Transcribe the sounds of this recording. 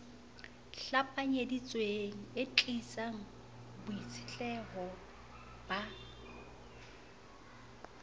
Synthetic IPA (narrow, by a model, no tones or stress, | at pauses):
ɬapʼaɲedit͡sʼweŋ̩et͡ɬʼit͡sʼaŋ̩ | bʊit͡sʰɪ̥ɬɛɦɔ | b̥a